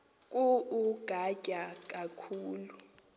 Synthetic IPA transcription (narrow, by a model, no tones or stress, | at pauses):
k̬ʼuuɡ̥ʱacʼak̬ʼakʰuːlu